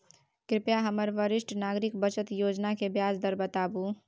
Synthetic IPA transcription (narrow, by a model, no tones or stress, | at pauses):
kɾɪpjaɦəməɾʋəɾɪsʈnaːɡɾɪk̚bət͡ʃət̪joːd͡ʒnakebjaːd͡ʒd̪əɾbət̪aːbu